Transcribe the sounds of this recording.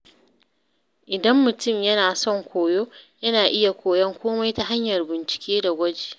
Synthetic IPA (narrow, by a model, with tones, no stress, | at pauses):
ʔɪ˨dɐ˦mːʊ˨tʊ˦˨mjɐ˦naː˨sɔ˦˨ŋkʷoː˨joː˦jɐ˦naː˨ʔɪ˦ja˨kʷoː˨jɐ˦ŋkʷʰoː˦ma˦jta˨ɦa˦ɲjɐ˨rbɪ˨nt͡ʃɪ̥˨kʲeː˦da˨ɡʷɐ˦d͡ʒeː˨